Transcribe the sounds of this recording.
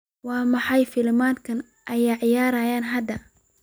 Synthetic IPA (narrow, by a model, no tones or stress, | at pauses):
wɑːmɑħɑjfɪlmaːd̪kʰɐn | ʔɐjʕɪjaːɾɐjaːnɦɐd̪ɐ